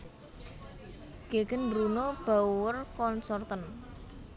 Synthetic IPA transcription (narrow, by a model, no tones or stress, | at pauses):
ɡ̥eɡənbɾunob̥auwərkɔnsɔrt̪ən